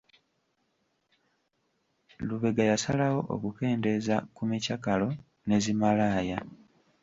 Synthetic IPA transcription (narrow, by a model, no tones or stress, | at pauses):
luβe̞ɡajasalawo̞ʔo̰kuke̞ːnde̞za̰kumicakalo̞ | ne̞zimalaːja